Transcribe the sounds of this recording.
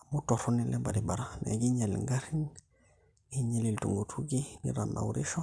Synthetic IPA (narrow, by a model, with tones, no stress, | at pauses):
mu˦to˨ɾu˦ni˦le˦ba̰˨di˨ba˨ɾa˦nḛ˨ɡi˦ɲe˨l̰ŋɡa˦ɾi˦ŋ | ɡi˦ɲe˦˨li˨ltṵ˨ŋɡu˨tʰu˦ɡi˦ɡḭ˦ɾa̰˨nːa̰˨wuɾi˦ʃo˦